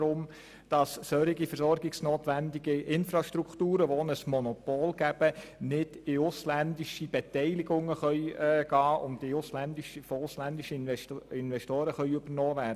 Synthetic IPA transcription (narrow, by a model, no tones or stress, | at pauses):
ɾʊm | d̥ɑssœɾiɡifəɾsɔɾɡɪksnoːtʋændɪɡiʔɪnfɾɑʃtɾuktuːɾəʋonəsmɔnɔpoːlɡ̥æb̥ənɪd̥ɪʊslændɪʃib̥ɛtɛɪlɪɡʊŋːəχœʏːɡ̥ɑːʔʊntɪʊslændɪʃəfoʊslændɪʃəɛɪnvɛʃtoːɾəχœʏøb̥əɾnoːvæːɾdə